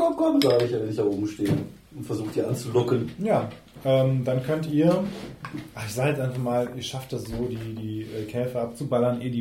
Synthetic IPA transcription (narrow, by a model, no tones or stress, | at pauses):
ɔkʰɔmz̥aaɡəɪçanɛnɪçtaʔoːbm̩ʃteːn | ʊntfɛɐzuːxtd̥iːʔant͡sulʊkənjaː | ʔɛːmd̥ankʰœntʔiːɐ | ʔaɪçzaːɡɛt͡sʔaɪnfaχmaːlʔiːɐʃaft̚d̥asz̥oːdiːdiːʔɛːkʰɛːfəʔap̚t͡subalɐnʔeːdiː